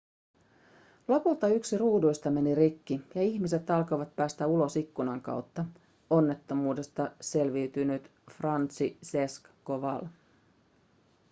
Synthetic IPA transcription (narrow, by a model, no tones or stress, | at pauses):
lo̞pult̪ɑyksiruːdujst̪ɑme̞niɾikːijɑiçmise̞t̪ɑlko̞ʋɑt̪̚pæːst̪æulo̞sikːunɑŋkɑ̰wt̪ːɑ | o̞nːet̪ːo̞muːde̞st̪ɑse̞lʋiːt̪ynyt̪frɑnt̪sise̞skkoʋɑ̰l